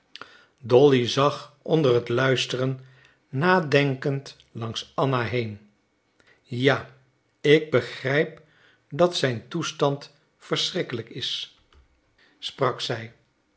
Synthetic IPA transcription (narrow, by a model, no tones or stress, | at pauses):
dɔlizɑχɔndərətlœɥstərənː | aːdɛŋkənt | lɑŋsɑnaɦejn | jaː | ɪɡ̚bəχrɛjp̚ | dɑtsɛjntustɑnt | fəɹsrɪkələkɪs | sprɑksɛj